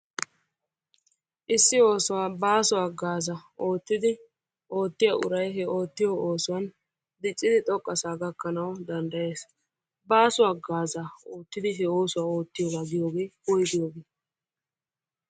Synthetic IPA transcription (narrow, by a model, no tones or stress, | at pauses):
ʔɪsːɪo̞ːsʊwaːbaːsʊwaːɡaːzɐo̞ːt̪ːɪd̪ɪ | ʔo̞ːt̪ːɪjɐʔʊ̰ɾɐjɦɛʔo̞ːt̪ːɪjoːoːsʊwɐn | d̪ɪt͡ʃʼːɪd̪ɪt̪ʼɔkʼːɐsaːɡɐkːɐnɐwd̪ɐnd̪ɐje̞ːs | baːsʊwaːɡaːzaoːt̪ːɪd̪ɪɦɛo̞ːsʊwaːo̞ːt̪ːɪjoːɡaːɡɪjoːɡeːbɔjd̪ɪjoːɡeː